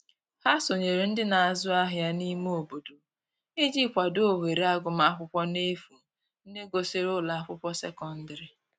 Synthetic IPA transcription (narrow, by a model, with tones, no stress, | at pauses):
ha˦so˨ɲe˨ɾe˨n̩˦dɪ˦na˨a˨zʊ˦a˦ɦja˦ni˦m˦o˨bo˨do˨ | e˦d͡ʒi˦kʷa˨do˦˨ɦe˨ɾe˨˦a˦ɡʊ˨ma˦a˦kʷʊ˦pʷɔ˦ne˦fu˨ | n̩˦de˦ɡo˨sɪ˦ɾʊ˦la˨a˦˨kʷʊ˦pʷɔ˦sɛ˦kɔ˦n̩˦dɪ˨ɾɪ˨